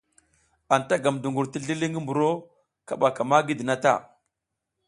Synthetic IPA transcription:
a˨nta˦ɡa˨mdu˨ŋɡu˨ɾti˦ɮi˦li˦ŋi˦mbu˨ɾo˦ | ka˦˨ɓa˨ka˨ma˦ɡi˦di˨na˦ta̰˦˨

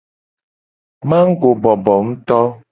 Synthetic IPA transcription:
mã˦ŋ̩˦ɡo˨bɔ˨bɔ˨ŋ̩˦t̪ɔ˦

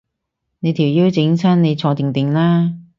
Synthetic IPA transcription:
ne˨˧jt̪ʰiː˨˩wjiː˥wt͡sɪ˨˥ŋsʰɐː˥nne˨˧jt͡sʰɔː˨˧t̪ɪ˨ŋt̪ɪ˨˩ŋlaː˥

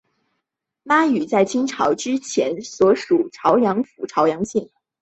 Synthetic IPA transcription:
ma˥y˨˩t͡sa˥˩ɪt͡ɕʰi˥ŋʈ͡ʂʰɑ˧˥ʊʈ͡ʂɻ̩˥t͡ɕʰjɛ˧˥nswɔ˧˥ʂu˨˩ʈ͡ʂʰɑ˧˥ʊjɑ˧˥ŋfu˨˩ʈ͡ʂʰɑ˧˥ʊjɑ˧˥ŋɕi˥˩ŋ

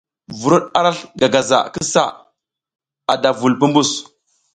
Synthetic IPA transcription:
vu˨ɾu˦ɗa˦ɾa˦ɬɡa˨ɡa˨za̰˨ki˦sa̰˦˨ | a˨da˨vu˨lpu˦mbu˦˨s

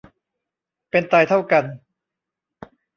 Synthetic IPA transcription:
pe˧nt̪aː˧jt̪ʰa˥˩wka˧n

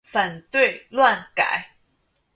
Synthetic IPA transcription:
fa˨˩nt̪we˥˨ɪlwa˥˨nka̰˨˩˦ɪ

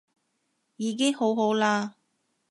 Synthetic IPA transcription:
jiː˨˧k̬ɪ˥ŋho˨˥wɦo˨˥wlaː˧

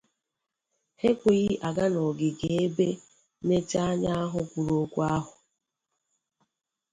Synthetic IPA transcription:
he˦kʷe˨ɣi˦ʔa˨ɡa˦nɔ˨ɡɪ˨ɡe˨e˦be˦ | ne˦t͡ʃa˦ɲa˦a˦ɦʊ˦kʷu˨ɾo˦kʷu˦a˦ɦʊ˨

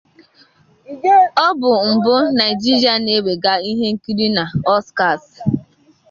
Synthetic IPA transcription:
ɔ˦bʊ˨m̩˨bʊ˦na˨ɪ˨d͡ʒi˦ɾi˨a˨ne˨˦we˨ɡa˦i˦ɦe˦ŋ̩˦ki˦ɾi˦na˨ɔ˦ska˨s

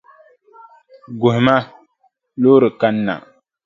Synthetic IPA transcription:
ɡʊ˨hɪ˨ma˦ | loː˦ɾɨ˨ka˦nː˦a̰˨

